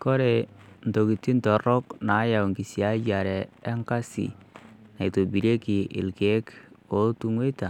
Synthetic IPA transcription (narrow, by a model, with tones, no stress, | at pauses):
kɔ˦ɾɛ˨ | n˨to˨ki˨tːi˦ntɔ˨ɾɔ˦kna˨˦ja˨wŋki˨si˨a˦ɟa˨ɾɛː˨˦ŋka˦sḭ˨ | na˨i˨to˨bi˨ɾe˦ki˨ʔɪ̰˨lke˦k | o˨˦tu˦ŋwe˦ta˨